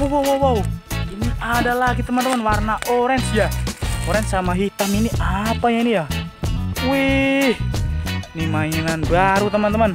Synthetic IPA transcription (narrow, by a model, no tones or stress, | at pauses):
uwawawauiniʔadalaɡit̪əmant̪əmanwarnaʔoɾɛnsjaoɾɛnsamaɦit̪aminiʔapaɲainija | wih | nimainanbaɾut̪əmant̪əman